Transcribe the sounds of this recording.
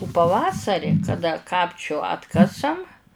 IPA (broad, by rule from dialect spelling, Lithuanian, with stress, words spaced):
ʊ pɐˈʋɑːsɐrʲɪ kɐˈdɐ ˈkɑːpʲt͡ʃʲʊ ˈɑːtkɐsɐm